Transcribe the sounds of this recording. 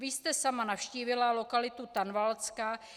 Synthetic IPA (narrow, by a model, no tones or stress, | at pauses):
vɪst̪ɛsamanafʃciːvɪlalo̞kalɪt̪ut̪anvalt͡ska